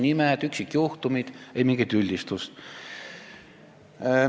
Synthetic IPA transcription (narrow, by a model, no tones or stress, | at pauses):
nimɛd̪̥yksikːjuht̪umid̪̥ejmiŋɡed̪̥ylʲd̪ist̪ust̪